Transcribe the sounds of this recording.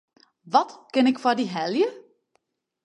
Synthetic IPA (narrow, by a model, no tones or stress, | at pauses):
ʋɔtkɪnɪkfɔdiɦɛljə